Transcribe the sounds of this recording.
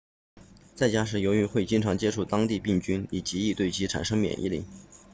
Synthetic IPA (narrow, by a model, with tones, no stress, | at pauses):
t͡sa˥˩ɪt͡ɕja˥ʂ̬ɻ̩˧˥jo˧˥ʊy˧˥xwe˥˩ɪt͡ɕi˥ŋʈ͡ʂʰɑ˧˥ŋt͡ɕjɛ˥ʈ͡ʂʰu˥˩t̪ɑ˥ŋt̪i˥˧pi˥˩ŋt͡ɕy˥ni˨˩t͡ɕi˧˥i˥˧t̪we˥˩ɪt͡ɕʰi˧˥ʈ͡ʂʰa̰˨˩nʂɤ˥ŋmjɛ̰˨˩nʔḭ˥˧lḭ˥˩˦